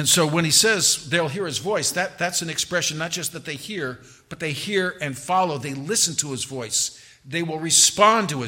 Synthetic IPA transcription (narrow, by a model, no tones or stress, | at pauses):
ɨ̃nsoʊwə̃ñisɛzðeɪlˠɦiɹɨzvɔɪsðɨt̪̚ðætsɨ̃n̩ɨkspɹɛʃɨ̃nːət̚d̥ʒ̥ʌst̪̚ðɨt̪̚ðeɪhiɹ | b̥ʌt̪̚ðeɪhiɹɨ̃nfɑlˠoʊðeɪlɪsn̩tʰəɨzvɔɪs | ðeɪwɪlˠɹɨspɑ̃ntəɪ